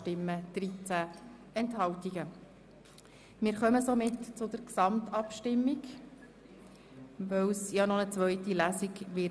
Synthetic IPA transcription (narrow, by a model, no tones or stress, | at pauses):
tɪmːəd̪̥ɾit͡sæ | ɛnthɑwtiɡə | mɪːɾχœməsomɪtt͡sʊd̪əɾksɑmt̪ɑpʃtɪmːiɡ | ʋœwsjɑnɔnət͡sʋœʏtilæsiɡʋɪ